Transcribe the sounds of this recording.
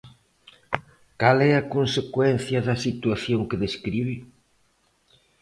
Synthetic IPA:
kalɛɐkonsekwɛn̟θjɐðɐsit̪uaθjoŋkɪðeskɾiβi

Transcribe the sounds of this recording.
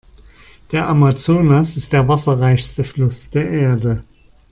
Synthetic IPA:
d̥eːɐʔamat͡soːnasɪst̚d̥eːɐvasɐʁaɪçstəflʊsd̥eːɐʔeːɐdə

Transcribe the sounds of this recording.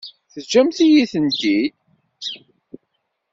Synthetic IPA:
θəd͡ʒːæmθijiθənt̪i

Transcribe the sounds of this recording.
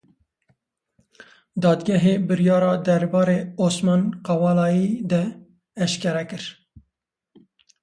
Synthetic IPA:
d̪ɑːd̪ɡʲɛɦeːbɨɾijɑːɾɑːd̪ɛɾbɑːɾeːoːsmɑːnqɑwɑːlɑːjid̪ɛː | ʃkɛɾɛkɨɾ

